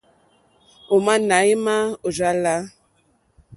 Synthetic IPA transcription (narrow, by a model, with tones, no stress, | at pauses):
o˨ma˦na˨˦i˦ma˦o˨d͡ʒa˦la˦